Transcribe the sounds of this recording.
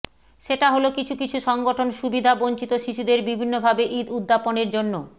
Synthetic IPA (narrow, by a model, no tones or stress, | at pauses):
ʃeʈaɦolokit͡ɕʰukit͡ɕʰuʃɔŋɡoʈʰonʃubid̪ʱaboɲt͡ɕit̪oʃiʃud̪eɾbibʱinːobʱabeʔid̪ud̪ːaponeɾd͡ʑonːo